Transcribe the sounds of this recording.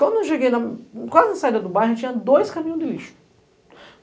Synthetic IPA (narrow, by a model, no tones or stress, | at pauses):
kwɐ̃nd̪ʊewʃeɡejnɐkwazɪnɐsaid̪ɐd̪ʊbajɦet͡ʃĩɲɐ̃d̪ojskamĩɲʊ̃d̪ɪliʃʊ̥